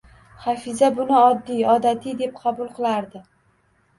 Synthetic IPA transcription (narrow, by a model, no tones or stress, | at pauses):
χafɪzabʊnɪɒd̪ːijɒd̪at̪ʰid̪e̞p̚qʰɑbʊlˠqʰɨlˠaɾd̪ɪ